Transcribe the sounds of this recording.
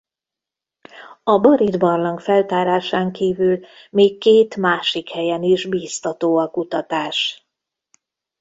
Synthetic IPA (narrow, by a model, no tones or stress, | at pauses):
ɒbɒɾid̪bɒrlɒŋkfɛlt̪aːɾaːʃaːŋkiːvyl | meːkːeːt̪maːʃikhɛjɛniʒbiːst̪ɒt̪oːɒkut̪ɒt̪aːʃ